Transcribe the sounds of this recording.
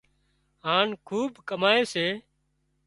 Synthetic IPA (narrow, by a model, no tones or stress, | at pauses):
ɦaːnkʰuːbkəmaːeːseː